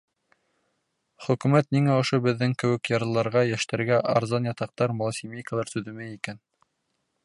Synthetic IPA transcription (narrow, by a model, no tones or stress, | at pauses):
χɵ̆kʉ̆mæt̪niŋæŏʃobɘ̆ðːɘŋkɘ̆wɘ̆kjɑɾɤ̆lˠɑɾʁɑjæʃt̪æɾɡæʔɑɾzɑnjɑt̪ɑq̚t̪ɑɾmŏlˠsʲimʲejkəlˠɑɾsɵðɘ̆mɘikæn